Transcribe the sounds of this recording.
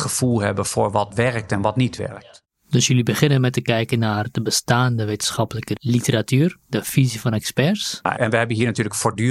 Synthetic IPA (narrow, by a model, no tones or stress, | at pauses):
χəfulˠɦɛbəfʊːɹʋɔtʋɛɹk̚tɛnʋɔtnitʋɛ̰rk̚t | døsjølibəχɪnənmɛtəkɛjkənardəbəstaːndəʋeːtənsχɑpələkəlitəratyːrdəfizifɔnɛkspɛrsɛnʋəhɛbənɦiːnatyːləkfoːdy